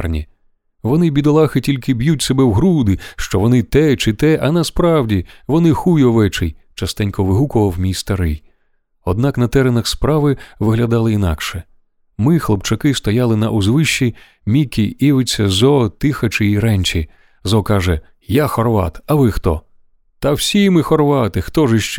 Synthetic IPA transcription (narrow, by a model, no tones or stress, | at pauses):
rnʲḭ | ʋɔnɪbʲid̪ɔlˠɑxɪtʲilʲkɪbjutʲsɛbɛwɦɾud̪ɪʃt͡ʃɔʋɔnɪt̪ɛt͡ʃɪt̪ɛʔɐnɐspɾɑwdʲiʋɔnɪxujɔʋɛt͡ʃɪjt͡ʃɐst̪ɛnʲkɔʋɪɦukɔʋɐwmʲijst̪ɐɾɪj | ɔd̪̚nɑknɐt̪ɛɾenɐxspɾɑʋɪʋɪɦlʲɐd̪ɑlˠɪinɑ̰kʃɛ | mɪxlˠɔpt͡ʃɐkɪst̪ɔjalˠɪnɐ̰ʔʊzʋɪʃt͡ʃːi | mʲikʲiiʋɪt͡sʲːɐzɔt̪ɪxɐt͡ʃɪiɾɛnʲt͡ʃi | zɔkɑʒɛ | jaxɔrʋɑ̰t̪ɐʋɪxt̪ɔ̰ | t̪ɐwsʲimɪxɔrʋɑt̪ɪxt̪ɔʒɪʃt͡ʃɛ